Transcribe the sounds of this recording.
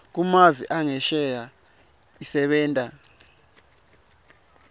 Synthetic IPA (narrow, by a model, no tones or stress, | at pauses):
k̬umaviʔaŋɛʃɛja | isɛɓɛːntʼa